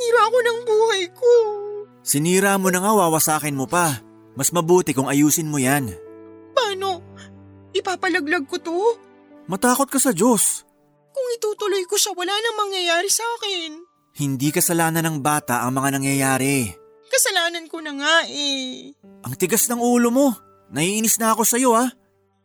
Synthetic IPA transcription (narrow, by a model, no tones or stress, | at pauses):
niːɾakonɐŋbuːhɐjko | sɪniːɾaːmonɐŋawaːwɐsaːkɪnmopɐ | mɐsmɐbuːt̪ɪkʊŋɐjuːsɪnmojanpaːno̞ | ʔɪpaːpɐlɐɡlɐɡ̚kot̪o̞ | mɐt̪aːkot̪̚kɐsɐd͡ʒo̞s | kʊŋɪt̪uːt̪ʊlojkoʃawɐlanɐŋmɐŋjɐjaːɾɪsɐaːkɛn | hɪnd̪ikɐsɐlaːnɐnɐŋbaːt̪ɐ̰ʔɐŋmɐŋanɐŋjɐjaːɾɛ | kɐsɐlaːnɐnkonɐŋaʔɛ | ʔɐŋt̪ɪɡasnɐŋuːlo̞mo̞ | nɐhiːʔɪnɪsnɐɐko̞sɐjo̞a